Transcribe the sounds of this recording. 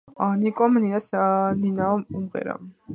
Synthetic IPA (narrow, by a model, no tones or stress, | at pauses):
anikʼɔmniasaninaɔumqɛ̰ɾa̰m